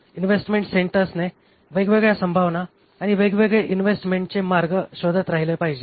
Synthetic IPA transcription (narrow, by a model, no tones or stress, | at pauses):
inʋesʈmeɳʈseɳʈəɾsne | ʋeɡʋeɡɭjasəmbʱaʋnaː | ɽ̃iʋeɡʋeɡɭeʔinʋesʈmeɳʈt͡semaɾɡəɕod̪ʱat̪ɾaɦilepaɦid͡ʑe